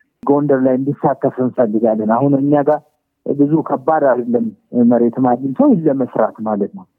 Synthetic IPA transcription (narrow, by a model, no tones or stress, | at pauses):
ɡo̞nd̪əɾlajɨnd̪isːat̪ːəfɨnfəlːɨɡalːənahunɨɲːaɡaɾ | bɨzukʰəbːad̪ad̪əlːənməɾe̞t̪manːɨt̪ʰəwlːəməsɾa̰t̪malət̪nəw